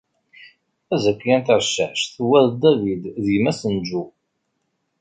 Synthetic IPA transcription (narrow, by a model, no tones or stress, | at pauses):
æzəkʷːjænt̪əɾʃəħʃθəwːæðd̪ævid̪ðimæsənd͡ʒu